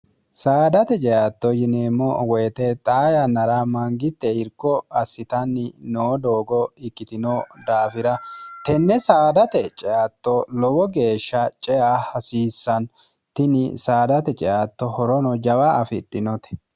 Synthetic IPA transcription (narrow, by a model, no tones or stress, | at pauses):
saːd̪ɐt̪ɛt͡ʃʼɛjaːt̪ːɔjɪneːmːɔwɔjt̪ɛt̪ʼaːjɐnɐɾamɐŋɡɪt̪ːɛɪɾkːɔɐsːɪt̪ɐnːɪnoːd̪oːɡɔɪkːɪt̪ɪnod̪aːfɪɾɐt̪ɛnːɛsaːd̪ɐt̪ɛt͡ʃʼɛjaːt̪ːɔlɔwɔɡe̞ːʃːɐt͡ʃʼɛʔaːhɐsiːsːɐn | t̪ɪnɪ̰saːd̪ɐt̪ɛt͡ʃʼɛjʔaːt̪ːɔhɔɾɔnɔd͡ʒɐwaʔɐfɪt̪ʼːɪnɔt̪ɛ̥